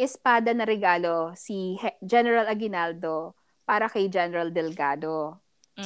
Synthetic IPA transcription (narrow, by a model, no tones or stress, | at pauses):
ʔɛspaːd̪ɐnɐɾɛɡaːlosid͡ʒɛnɛɾɐlɐɡɪnald̪o | paːɾɐkɐjd͡ʒɛnɛɾɐld̪ɛlɡaːd̪o